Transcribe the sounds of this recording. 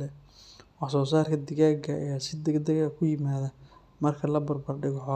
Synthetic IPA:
ɛwɑħsɔːs̬aːrkʰɐd̪ɪɣaːɡɐɐ̰jaːsɪd̪ɛɡd̪ɐɣɐkʰʊjɪmaːðɐ | mɐrkʰɐlɐbɐrbɐrɖɪɣɔħɔː

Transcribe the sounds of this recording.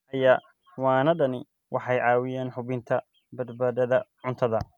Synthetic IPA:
ɐjaː | wɑːnɐɖɐnɪ | wʔɑħɑjʕɑːwɪjaːnħʊβɪnt̪ʰɐ | bɐd̪baːðɐðɐʕʊnt̪ʰɐðɐ

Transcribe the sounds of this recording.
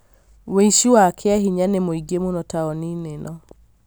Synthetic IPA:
weiʃiwakʰeaɦiɲanemoiɡemonɔtaɔninenʔɔ

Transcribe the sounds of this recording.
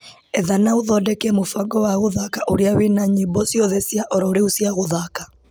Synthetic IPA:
ɛðanaoðɔdɛkɛmofaɡɔwaɣoðakaʔoɾeawenaɲibɔsjɔðɛsjaʔɔɾɔɾeusjaɣoðaka

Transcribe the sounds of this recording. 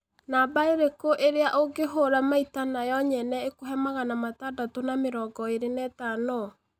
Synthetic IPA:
nabaeɾekoʔeɾeaʔoɡeɦoɾamaitanajɔɲɛnɛekoɦɛmaɣanamatadatonameɾɔːɡɔeɾenɛtanɔ

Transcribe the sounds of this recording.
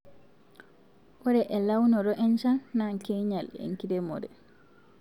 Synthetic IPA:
wɔɾɛʔɛlawnɔɾɔʔɛnt͡ʃanːaŋkɛjɲalɛ̰ŋkidɛmɔ̰dɛ̰

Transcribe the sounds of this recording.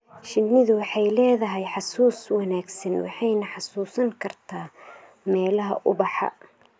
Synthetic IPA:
ʃɪnːɪðʊwɑħɑjlɛːðɐɦɛjħɑsuːswɑnaːɡsɐnwɑ̰ħɑjnɐħɑsuːsɐŋkʰɐrt̪ʰaː | mɛːlɐɦɐ̰ʔʊbɑħɑ̰

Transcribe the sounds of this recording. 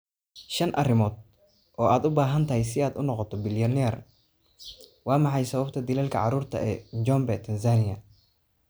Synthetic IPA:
ʃɐnʔɐrɪmɔːd̪̚ | ʔɔːʔaːd̪ʊbaːɦɐnt̪ʰɐɦɛjsɪaːd̪ʊnɔqɔt̪ʰɔbɪljɐnɛr | wɑːmɑħɑjsɐβɐbt̪ʰɐd̪ɪlaːlkʰɐ̰ʕɑɾuːrt̪ʰɐ̰ʔɛːɲd͡ʒɔmbɛt̪ʰɐns̬aːnɪjɐ

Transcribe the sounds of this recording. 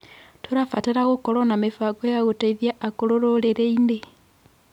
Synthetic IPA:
tuɾafateɾaɣokolonamifaɡwejaɣutaiðjaʔakoloɾoleɾeine

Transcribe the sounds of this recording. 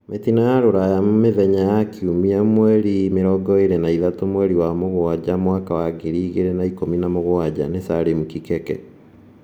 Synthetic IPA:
met̪inajaɾoɾajamomeðɛɲajakʰiumiamwɛɾimeɾɔɡɔeɾɛnaiðatomwɛɾiwamoɣoad͡ʑamwakawaɡeɾiːɣeɾenaikominamoɣoad͡ʑa̰nesaɾemukikɛkɛ̰

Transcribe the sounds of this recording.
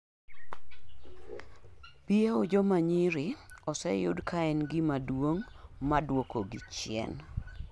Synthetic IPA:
pieod͡ʒɔmaɲiɾɪɔsɛjʊ̰dkʰaɛnɡɪmadwoŋ | madwokoɡɪt͡ʃɪɛ̰n

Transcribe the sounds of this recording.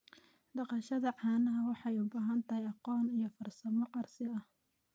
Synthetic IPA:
ɖɑqɑʃɐðɐʕɑːnɐɦɐwɑħɑjʊbaːɦɐnt̪ʰɐhɛjɑqɔːnijɔfɐrsɐmɔqɑrsɪɐh

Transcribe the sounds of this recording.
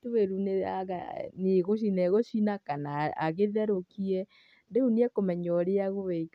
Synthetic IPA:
tuweɾunea̰ɣa̰neɣoʃ̬inɛɣoʃinakana̰ːɣeðɛɾokiɛ | deuniɛkomɛɲɔɾeaɣoβɛika

